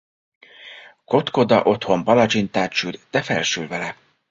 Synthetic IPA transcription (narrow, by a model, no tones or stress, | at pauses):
ko̞t̪ko̞d̪ɒ̰ʔo̞t̪ho̞mpɒlɒd͡ʒint̪aːrt͡ʃyrd̪̥ɛfɛlʃylvɛlɛ